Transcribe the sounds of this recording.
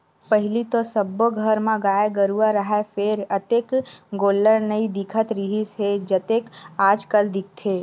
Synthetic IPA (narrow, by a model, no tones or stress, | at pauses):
pəɦɪlit̪osəboɡʱəɾmãɡaːjeɡəɾuaɾəɦafeɾət̪ekɡolːəɾnəid̪ɪkʰət̪ɾiɦised͡ʒət̪ekad͡ʒkəld̪ɪk̚ʰt̪ʰe